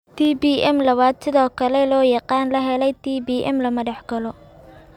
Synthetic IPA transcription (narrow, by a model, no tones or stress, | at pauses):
t̪ʰiːbiʔɛmlɐβaːd̪sɪðɔːkʰɐlɛlɔːjɑqɑːnlɐɦɛlɛjt̪ʰiːbiːʔɛ̰mlɐmɐɽɑħɡɐlɔ